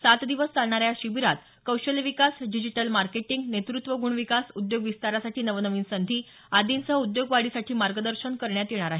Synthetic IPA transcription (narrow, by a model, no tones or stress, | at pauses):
sat̪d̪iʋəst͡salɳaɾjaɕiʋiɾat̪ | kəwɕəlʋikasɖid͡ʑiʈəlmaɾkeʈiŋɡnet̪ɾut̪ʋəɡuɳʋikasud̪joɡʋist̪aɾasaʈʰiːnəʋənəʋiːnsənd̪ʱiː | ad̪insəɦud̪joɡʋaɽisaʈʰiːmaɾɡəd̪əɾɕəɳkəɾɳjat̪jeɽ̃aɾaɦe